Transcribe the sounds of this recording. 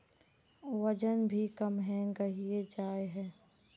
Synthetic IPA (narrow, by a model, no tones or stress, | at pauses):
wəd͡ʒənbʱikəmɦɛ̃ɡɐɦied͡ʒaːeɦɛ̃ː